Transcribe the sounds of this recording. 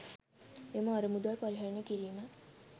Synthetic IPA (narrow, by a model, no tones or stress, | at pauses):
emɐaɾəmud̪ʋarpaɾiɦaɾənekiɾiːmə